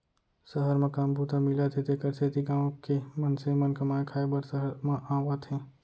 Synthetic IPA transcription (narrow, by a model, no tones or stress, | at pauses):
səɦəɾmɐ̃kaːmbuːt̪amilat̪ʰet̪ekəɾseːt̪iɡãːõkemɐnsemɐnkɐmaːẽkʰaːebɐɾsəɦəɾmãʔãːwat̪ʰẽː